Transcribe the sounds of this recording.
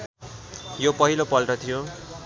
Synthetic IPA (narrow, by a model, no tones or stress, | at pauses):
jopʌɦilopʌlʈʌt̪ʰijo